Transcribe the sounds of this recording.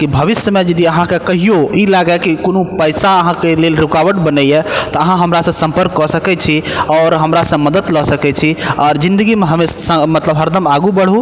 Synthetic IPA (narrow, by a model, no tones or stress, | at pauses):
kibʱəʋisjəmed͡ʒəd̪iəɦãkekəɦijoilaɡɛkikonopəjsaəɦãkelelɾukawəʈbənɛjɛt̪ɔəɦãɦəmɾasə̃sə̃mpəɾkːɔsəkɛt͡ʃʰiɔːɾɦəmɾasə̃məd̪əd̪lɔsəkɛt͡ʃʰiɔɾd͡ʒĩnd̪əɡimeɦəmesə̃mət̪ləbɦəɾd̪ʱəmaɡubəɽ̤ɦu